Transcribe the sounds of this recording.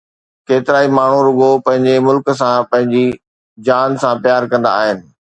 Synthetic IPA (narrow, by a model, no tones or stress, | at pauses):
keːt̪ɪɾaːimaːɳ̤uɾʊɠopɐ̃ɦɪ̃ɲd͡ʑemʊlks̬ãpɐ̃ɦɪ̃ɲd͡ʑi | d͡ʑaːnsãpjaːɾkɐ̃nd̪a̰ːɦɪnɪ̆